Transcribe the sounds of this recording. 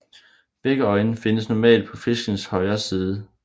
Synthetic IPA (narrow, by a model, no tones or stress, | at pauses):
b̥eɡ̥əɒ̽ɪnəfe̝nəsnɒmɛ̰ːld̥̚pʰɒ̽fe̝sɡ̥n̩shɒ̽ɪɐːsiːð̞ˠə